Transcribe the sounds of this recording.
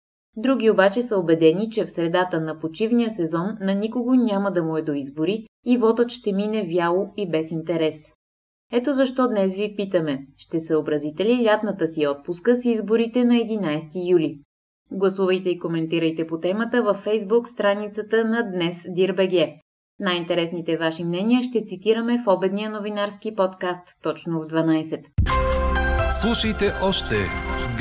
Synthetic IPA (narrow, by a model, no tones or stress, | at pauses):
d̪ɾuɡʲiobat͡ʃɛsəobɛd̪ɛnit͡ʃɛfsɾɛd̪at̪ənɐpot͡ʃivnijəsɛzɔnːɐnikoɡonʲaməd̪ɐmuɛd̪oizboɾiː | vɔt̪ət̪ʃt̪ɛminɛvjalˠoibɛsint̪ɛɾɛs | ɛt̪ozɐʃt̪ɔd̪nɛsvipit̪əmɛʃt̪ɛsɛobɾɐzit̪ɛlilʲat̪nət̪əsiɔt̪̚puskəsizboɾit̪ɛnɐɛd̪inajst̪ijuli | ɡlˠɐsuvəjt̪ɛikomɛnt̪iɾəjt̪ɛpot̪ɛmət̪əvəfːɛjzbukst̪ɾanit̪sət̪ənɐd̪nɛsd̪iɾbɛɡɛ | najint̪ɛɾɛsnit̪ɛvaʃimnɛniəʃt̪ɛt̪sit̪iɾəmɛfɔbɛd̪nijənovinaɾsk̟ipɔt̪kast̪ːɔt͡ʃnovd̪vɐnajsɛt̪ | slˠuʃəjt̪ɛʔɔʃt̪ɛɡ